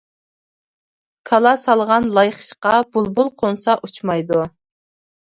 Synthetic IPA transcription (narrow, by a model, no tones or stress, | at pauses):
kʰɑlˠɑsɑlˠʁɑnlˠɑjχə̥ʃqɑbulˠbulˠqʰonsɑʔut͡ʃʰmɑjd̪u